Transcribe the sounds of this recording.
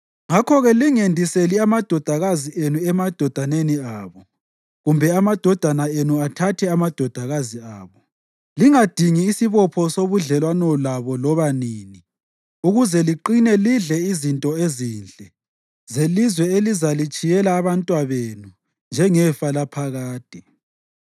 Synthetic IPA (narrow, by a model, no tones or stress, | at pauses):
ŋakʰɔɣɛliŋendʱiseliamad̥ʱɔd̥ʱaɣaziʔenuɛmad̥ʱɔd̥ʱaneniaːβɔ | ɣumbʱɛamad̥ʱɔd̥ʱanaenuatʰatʰɛamad̥ʱɔd̥ʱaɣaziaːβɔ | liŋad̥ʱiŋiːsiβɔpʰɔsoβuɮɛlwanɔlaβɔlɔβaniːni | uɣuzɛliǃinɛliɮɛizintʼɔeziːnd͡ɮʱʼɛ | zelizwɛelizalit͡ʃʼijɛlaːβantʼwaβenu | nd͡ʒʱɛŋɛfalapʰaɣaːd̥ʱʼi